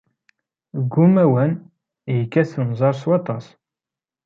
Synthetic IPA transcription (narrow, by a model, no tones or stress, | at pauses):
ɡːumæwæn | jəkːæsənzˤɑɾˤswɑt̪ˤɑs